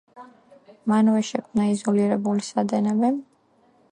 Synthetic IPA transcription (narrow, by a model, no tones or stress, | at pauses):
manvɛʃɛkʰmnaizɔliɾɛbulisad̪ɛnɛbɛ